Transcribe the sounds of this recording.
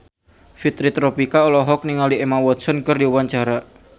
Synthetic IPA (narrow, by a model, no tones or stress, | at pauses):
fit̪ɾit̪ɾɔpikaɔlɔɦɔk̚niŋaliemawɔt̪̚sɔnkɨrdiuwaɲt͡ʃaɾa